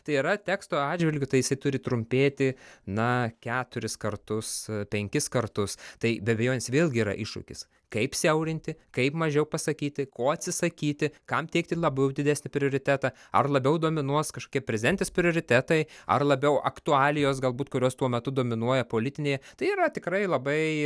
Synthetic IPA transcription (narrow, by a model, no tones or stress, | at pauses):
t̪ɐɪiɾɐt̪ʲæːkst̪oːɑːʒʲʋʲɪlʲɡʲʊt̪ɐɪjɪsɐɪt̪ʊɾʲɪt̪ɾʊmʲpʲeːt̪ʲɪnɐkʲæːt̪ʊɾʲɪskɐrt̪ʊspʲɛŋʲkʲɪskɐrt̪ʊst̪ɐɪbʲɛɐbʲɛjoːnʲesʋʲeːlˠʲɡʲɪiːɾɐ̰ʔɪʃʊ̰kʲɪ̰s | kɐɪpsʲɛʊɾʲɪnʲt̪ʲɪkɐɪpmɐʒʲɛʊpɐsɐkʲiːt̪ʲɪkoːɐt̪ʲsʲɪsɐkʲiːt̪ʲɪkɐmt̪ʲɛɪkt̪ʲɪlˠɐbɛʊd̪ʲɪd̪ʲæsʲnʲɪpʲɾʲɪoːɾʲɪt̪ʲæːt̪ɑɐrlˠɐbʲɛʊd̪oːmʲɪnuɔskɐʃko̥ːkʲiɛpʲɾʲɛzʲɪd̪ʲɛnʲt̪ʲeːspʲɾʲɪoːɾʲɪt̪ʲæːt̪ɐɪɐ̰rlˠɐbʲɛʊʔɐ̰kt̪ʊɑːlʲɪjoːs̬ɡɐlˠbuːt̪kʊɾʲoːst̪uɔmʲɛt̪ʊd̪oːmʲɪnuɔjɛpoːlʲɪt̪ʲɪnʲeːjɛt̪ɐɪiːɾɐt̪ʲɪkrɐɪlˠɐbɐɪ